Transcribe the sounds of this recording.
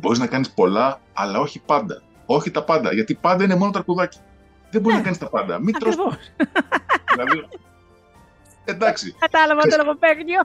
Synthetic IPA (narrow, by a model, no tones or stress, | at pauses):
bo̞ɾiznɐkɐnispo̞lɐɐ̰lɐo̞çipɐnd̪ɐ̰ | o̞çit̪ɐpɐnd̪ɐ̰ʝɐt̪ipɐnd̪ɐine̞mo̞no̞t̪ɐɾkuðɐci̥ | ðemboɾiznɐkɐnist̪ɐpɐnd̪ɐ̰mit̪ɾo | ðilɐði | e̞nd̪ɐksikɐt̪ɐlɐvɐt̪oloɣopeɣɲo